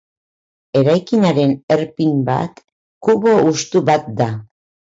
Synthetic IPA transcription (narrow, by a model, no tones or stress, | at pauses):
e̞ɾajkinaɾe̞ne̞ɾpimba̰t̪ | kuβo̞ust̪uβat̪̚d̪a